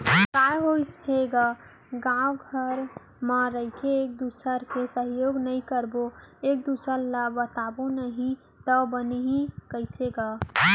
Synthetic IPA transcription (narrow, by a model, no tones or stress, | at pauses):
kajɦoseɡa | ɡãwɡʱəɾ | maɾəikʰeːk̚d̪usəɾkesəɦjoɡnəĩkəɾboek̚d̪usəɾlabət̪abonəɦĩ | t̪əbəneɦĩkəɪseɡa